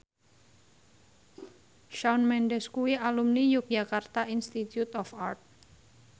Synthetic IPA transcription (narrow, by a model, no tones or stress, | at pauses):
ʃaunmɛnɖɛskuwiʔalumnijuk̚d͡ʒakart̪aʔinst̪it̪jut̪ɔfart̪̚